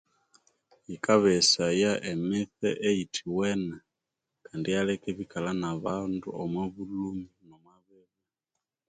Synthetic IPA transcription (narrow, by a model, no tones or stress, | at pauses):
ikaβɛsajaʔemiθɛʔeitʰiwɛna | kandijalɛkɛβikalanaβandṵomwaβuluminomwaβɛβu